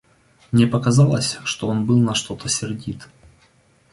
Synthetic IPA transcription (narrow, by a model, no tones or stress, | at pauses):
mnʲepəkɐzɑlˠəsʲʂt̪oonbɨlˠnɐʂt̪o̞t̪əsʲɪrdʲit̪